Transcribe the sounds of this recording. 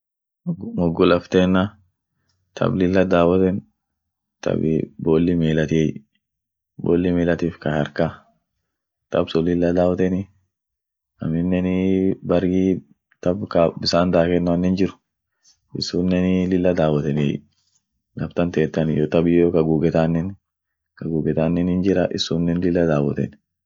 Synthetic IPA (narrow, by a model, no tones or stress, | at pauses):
ɡmɔɡʊlɐft̪eːnːa | t̪ʰɐ̰blɪlːɐd̪aːwɐt̪ɛn | t̪ʰɐ̰bɪboːlːɪmeːlɐt̪ɪɛj | bo̰ːlːɪmeːlɐt̪iːfkɐhɐɾka | t̪ɐbsɔlɪlːɐd̪aːwɐt̪ɛnɪ | ɐ̰mɪnːɛnɪbɐɾɡiː | t̪ɐbkɐbɪsaːnd̪aːkɛnːʊɐnːɪnd͡ʒɪɾʊ̥ | ʔɪsːunːɛnɪlɪlːɐd̪aːwɐt̪ɛn̰j | ɡɐbt̪ɐnt̪eːt̪ːɐnjot̪ɐbɪjokɐɡuːɡɛt̪aːnːɛn | kɐɡuːɡɛt̪aːnːɛnɪnd͡ʒɪɾɐʔɪsːuːnːɛnlɪlːɐd̪aːwɐt̪ɛ̰n